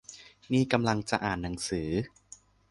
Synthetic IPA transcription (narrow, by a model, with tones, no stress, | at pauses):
niː˥˩ka˧mla˧ŋt͡ɕa˨˩ʔaː˨˩nːa˩˦ŋsɯː˩˦